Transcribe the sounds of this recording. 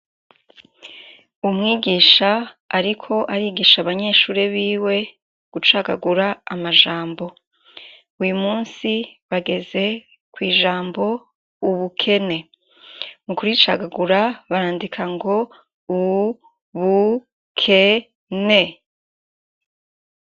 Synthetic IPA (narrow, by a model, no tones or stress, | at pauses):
umŋiːɡiːʃaː | ɾikʰo̞ʔaɾiːɡiːʃaβaɲe̞ːʃuːɾeβiːwe̞ | ɡ̥ut͡ʃaɡa̰ɡuɾaamaʒaːmbo̞ | ujumuːnsiβaɡe̞ze̞ | kwiːʒaːmbo̞ | uβukʰe̞ne̞ | mukuɾit͡ʃaɡaɡuɾaβaɾaːndikʰaŋɡo̞ | u | βu | kʰe | ne